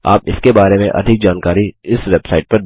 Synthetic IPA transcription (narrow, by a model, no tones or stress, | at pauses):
a̰ːpɪskebaːɾemẽʔɐ̰d̪ʱɪk̚d͡ʒaːnkaːɾiɪsʋeːbsaːɪʈ̚pɐɾ